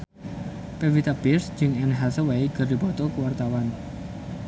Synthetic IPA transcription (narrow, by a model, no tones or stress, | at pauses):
pewit̪abɪsd͡ʒɪŋɛnɦasəwejɡ̥ərdi̤bɔt̪ɔkəwart̪awan